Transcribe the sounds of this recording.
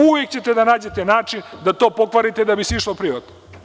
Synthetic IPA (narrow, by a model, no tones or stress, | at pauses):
uʋekt͡ɕe̞t̪ed̪anaːd͡ʑet̪enaːt͡ʃind̪at̪o̞ːpo̞kʋaɾit̪ed̪abisiʃlopɾiʋat̪no